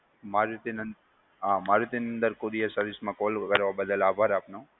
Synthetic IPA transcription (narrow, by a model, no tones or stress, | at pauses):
maɾit̪enən | ɦamaɾit̪enənd̪əɾkoɾiasəɾʋismãkoːlkəɾʋabəd̪əlaːbʱaɾaːpno